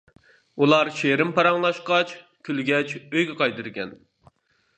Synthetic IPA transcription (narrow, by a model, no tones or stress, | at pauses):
ulˠɑɾʃeɾɪmpɑɾɑŋlˠɑʃqɑt͡ʃ | kʲʰylɡʲɛt͡ʃøjɡʲɛqʰɑjd̪ɨɾɡʲɛn